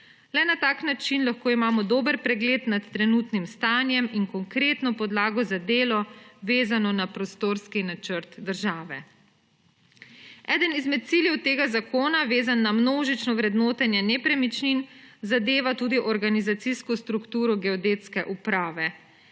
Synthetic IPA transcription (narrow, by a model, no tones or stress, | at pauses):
lɛnat̪aːknat͡ʃinlaxkoːimaːmɔd̪oːbəɾpɾɛɡleːt̪nat̪ːɾɛnuːt̪nimst̪aːnjɛmiŋkɔŋkɾeːt̪nɔpɔd̪laːɡɔzad̪eːlɔʋeːzanɔnapɾɔst̪oːɾskinat͡ʃəɾt̪d̪əɾʒaːʋɛ | ɛːd̪ənizmɛt̪̚t̪siljɛwt̪eːɡazakoːnaʋeːzanːamnoːʒit͡ʃnɔʋɾɛd̪noːt̪anjɛnɛpɾɛmit͡ʃninzad̪eːʋat̪uːd̪iʔɔɾɡanizat̪siskɔst̪ɾukt̪uːɾɔɡɛɔd̪eːt̪skɛʔupɾaːʋɛ